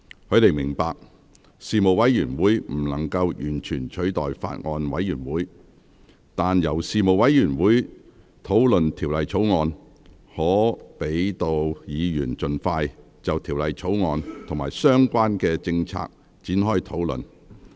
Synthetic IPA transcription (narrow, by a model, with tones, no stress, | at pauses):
hɵ˧ɥt̪e˨˩jmɪ˨˩ŋpaː˧k̚ | siː˨mo˨˩wɐ˨˥jːyː˨˩nwuː˨˥jm̩˨˩nɐ˨˩ŋkɐ˧wjyː˨˩nt͡ʃʰyː˨˩nt͡ʃʰɵ˨˥t̪ɔ̰ː˨jfa̰ː˧t̚ŋɔː˧nwɐ˨˥jːyː˨˩nwuː˨˥j | t̪aː˨njɐ˨˩wsiː˨mo˨˩wɐ˨˥jjyː˨˩nwuː˨˥j | t̪ʰo˨˥wlɵ˨nt̪ʰiː˨˩wlɐ˨jt͡sʰo˨˥wŋɔː˧n | hɔː˨˥pe˨˥jt̪o˧wjiː˨˧jyː˨˩nt͡ʃɵ˨nfaː˧j | t͡sɐ˨wt̪ʰiː˨˩wlɐ˨jt͡ʃʰo˨˥wŋɔː˧nt̪ʰŋmaː˨˩jsœː˥ŋkʷaː˥nkɛː˧t͡sɪ˧ŋt͡sʰa̰ː˧k̚ | t͡siː˨˥nɦɔː˥jt̪ʰo˨˥wlɵ̰˨n